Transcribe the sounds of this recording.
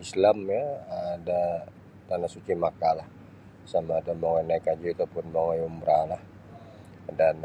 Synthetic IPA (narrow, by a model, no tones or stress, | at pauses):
islamjaːda | t̪anasut͡ʃimakalah | samaːdamoŋanaikad͡ʒiːt̪upʊnmoŋajumbɾʔalah | dan